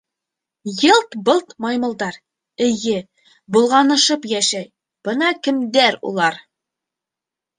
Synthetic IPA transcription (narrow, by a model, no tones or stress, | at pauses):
jɤlˠt̪bɤlˠt̪mɑjmɤ̆lˠd̪ɑɾ | ɘ̆jɘ | bŭlˠʁɑnɤ̆ʃɤpjæʃæj | b̥ɤnɑkɘ̆md̪æɾṵlˠɑɾ